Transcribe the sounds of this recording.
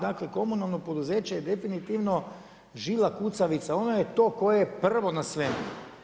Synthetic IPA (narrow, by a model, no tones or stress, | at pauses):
d̪aːkleko̞munalˠno̞pod̪uzeːt͡ʃejed̪e̞finit̪iʋno̞ | ʒilakut̪saʋit̪sao̞nojet̪o̞ːko̞jeepr̩ʋo̞nasʋemṵ